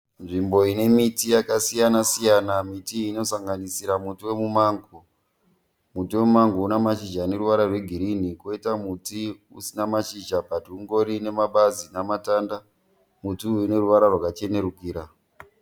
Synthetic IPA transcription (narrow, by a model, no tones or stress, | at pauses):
nʐimbo̞ine̞mitijakasijanasijanamitiːno̞saŋɡanisiɾamutiwe̞mumaːŋɡo | mutiwe̞mumaŋɡounamaʃid͡ʒaːne̞ɾuʋaɾarwe̞ɡʱiɾinikoitamuti | usinamaʃiʒapatiuŋɡo̞ɾine̞maɓazinamatanda | mutiuine̞ɾuʋaɾarwakat͡ʃe̞ne̞ɾukiːɾa